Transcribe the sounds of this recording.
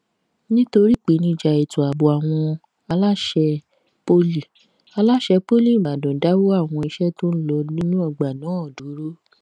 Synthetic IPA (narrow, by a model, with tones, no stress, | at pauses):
nĩ˦to˧ɾi˦˨k͡pe˨˦nĩ˦˨d͡ʒa˧e˨tu˨a˨bo˨a˨w̃ɔ̃˧ | a˧la˦ʃɛ˧ | po˧li˨ | a˧la˦ʃɛ˧po˦li˦˨ba˨dɔ̃˨da˨˦wo˦a˦˨w̃ɔ̃˧i˧ʃɛ˦to˦n̩˦lɔ˧li˦nũ˦ɔ˧˨ɡ͡ba˨nãː˨˦ɔ˨du˨˦ɾo˦